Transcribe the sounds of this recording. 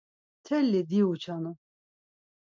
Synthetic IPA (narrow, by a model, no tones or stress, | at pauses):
t̪ʰɛlːid̪iut͡ʃʰanu